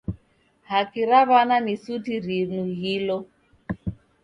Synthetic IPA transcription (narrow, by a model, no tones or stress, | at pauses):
hakiɾaβananisutiɾinuɦilɔ